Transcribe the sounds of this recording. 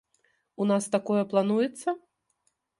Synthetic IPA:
unast̪akɔjɐplˠanujɛt̪sːɐ

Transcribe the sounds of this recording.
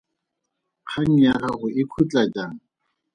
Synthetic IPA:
q͡χʰaŋ̩jaχaχʊɪkʰut͡ɬʼat͡ʃʼaːŋ̩

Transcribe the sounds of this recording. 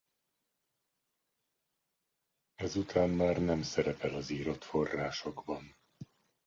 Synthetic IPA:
ɛzut̪ʰaːmmaːrnɛmsɛɾɛpɛlɒziːɾo̞t̪fo̞rːaːʃo̞ɡbɒn

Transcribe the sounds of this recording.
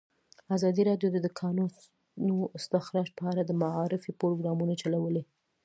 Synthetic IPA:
azɑd̪iɾɑɖjoəd̪əkʰɑnu | nuɪst̪axɾɑʃpəɑɾad̪əmaɑɾɪfipoɾoɡɾɑmunat͡ʃalawəle

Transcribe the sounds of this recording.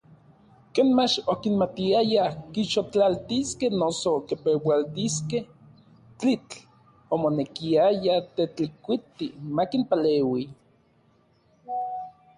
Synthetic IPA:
keːnmat͡ʃokinmat̪iajakiʃot͡ɬalt̪iskehnosokepewalt̪iskeh | t͡ɬit͡ɬ | omonekiajat̪et͡ɬikʷit̪imakinpaleːwi

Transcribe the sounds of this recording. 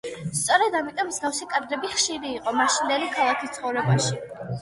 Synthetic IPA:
st̪sʼɔɾɛd̪amit̪ʼɔmːzɡafsikʼad̪ɾɛbiχʃiɾiːqʼɔmaʃind̪ɛlikʰalˠakʰist̪sʰχɔvɾɛbaʃi

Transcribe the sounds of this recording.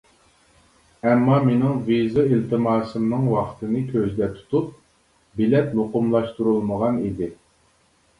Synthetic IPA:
ɛmːɑmenɪŋvizɨilt̪ʰɨmɑːsɨmnɨŋwɑqʰt̪ɨnɨkʲʰøzd̪ɛt̪ʰu̥t̪ʰup̚ | bɪlɛt̪lˠoqʊmlˠɑʃt̪uɾulˠməʁɑnid̪ɪ

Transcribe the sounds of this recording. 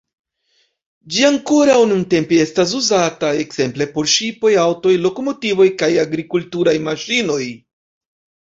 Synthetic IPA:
d͡ʒiaŋko̞ɾawnunte̞mpee̞stas̬uzatae̞kz̥e̞mple̞po̞ɾʃipo̞jawto̞jlo̞ko̞mo̞tivo̞jkajaɡɾikultuɾajmaʃino̞j

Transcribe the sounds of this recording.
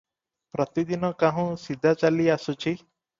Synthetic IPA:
pɾɔt̪id̪inɔkaɦũsid̪ʱat͡ʃaliasut͡ʃʰi

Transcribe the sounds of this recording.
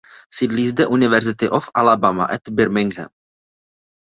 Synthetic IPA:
sɪdlizd̪ɛʔunɪvɛɾzɪt̪ɪʔofʔalabama̰ʔɛt̪bɪɾmɪŋɡɦɛ̰m

